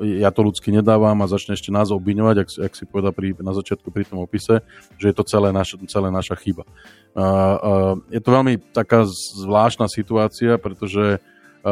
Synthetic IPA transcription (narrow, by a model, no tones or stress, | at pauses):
ɛjat̪ɔlut͡skiɲɛd̪aːʋamazat͡ʃɲɛɛʃcɛnaːzɔbʋiɲɔʋaɟaksaksipɔʋɛd̪alpɾinazat͡ʃɪat̪̚kupɾit̪ɔmɔpisɛ | ʒɛjɛt̪ɔt͡sɛlɛːnaʃt͡sɛlɛːnaʃaxiba | jɛt̪ɔʋɛlmit̪akaːzʋlaːʃt̪naːsit̪uaːt͡siapɾɛt̪ɔʒɛ